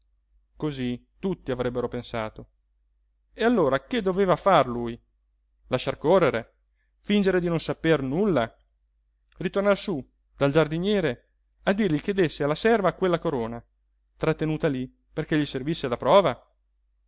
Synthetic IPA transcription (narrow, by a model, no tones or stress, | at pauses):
kozit̪ut̪ːiavɾɛbːeɾopensaːt̪o | ealːoːɾaked̪ːoveːvafarluːj | laʃːarkorːeɾe | find͡ʒeɾed̪inonsapernulːa | rit̪ornarsu | d̪̥ald͡ʒard̪iɲɛːɾe | ad̪ːirʎik̟ed̪esːealːasɛrvaːkwelːakoɾoːna | t̪ɾat̪ːenuːt̪ali | perkeʎːiservisːed̪apɾɔːva